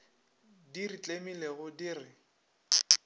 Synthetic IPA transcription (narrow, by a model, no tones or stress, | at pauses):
dirit͡ɬʼemileɣʊdiːrɪ